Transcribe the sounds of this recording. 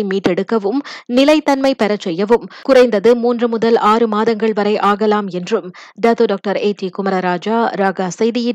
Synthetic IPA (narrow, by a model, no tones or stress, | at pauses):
ɪmiːʈːɛɽɯkːɐʋɯmnɪlɐɪt̪ːɐnmɐɪpɛɾɐt͡ʃːɛjːɐʋɯmkʊrɐɪnd̪ɐðɯmuːndrɯmʊðɐlʔaːrɯmaːðɐŋɡɐɭʋɐɾɐɪʔaːɣɐlaːmɛndrɯm | ɖɐt̪oːɖoːk̚ʈɐɾeːʈiːkʊmɐɾɐɾaːd͡ʒaːɾaːɣaːsɐjðɪjɪ